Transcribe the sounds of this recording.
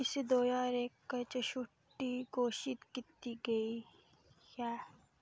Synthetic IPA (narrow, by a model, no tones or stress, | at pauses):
ɪsid̪oːjaːɾeːkːɐt͡ʃɐʃʊʈːiɡoːʃit̪kit̪iɡɐi | jaː